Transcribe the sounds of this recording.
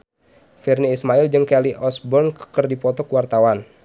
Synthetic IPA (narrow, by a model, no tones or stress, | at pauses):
firniːsmaild͡ʒɨŋkɛliʔɔsbɔrnkərdipɔt̪ɔkuwart̪awan